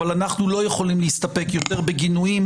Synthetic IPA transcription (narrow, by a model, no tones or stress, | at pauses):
alanaχnulo̞je̞χo̞limleist̪ape̞kjo̞t̪e̞ʁbeɡinujim